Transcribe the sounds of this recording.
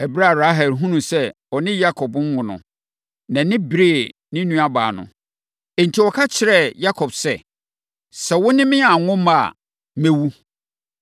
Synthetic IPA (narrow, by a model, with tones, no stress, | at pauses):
ɛ˨bɾa˦˨ɾa˦ɦɛ˨lɦũ˦nũ˨sɛ˦ | ɔ˨nɪ̃˦ja˦kʰɔ˨bm̩˦wʊ̃˨nʊ̰̃˨ | nã˨nɪ̃˦bɾe˨ | nɪ̃˦nũ˦a˦ba̰ː˨nʊ̰̃˨ | ɛ˨n̩˨tʰi˨wɔ˨kʰa˦t͡ɕʰɪ˨˦ɾɛ˨ja˦kʰɔ˨bsɛ˦ | sɛ˨wʊ̃˦nɪ̃˦mɪ̃˦a˨ŋʊ̃˦ma˨ | mɛ̃˦wu˦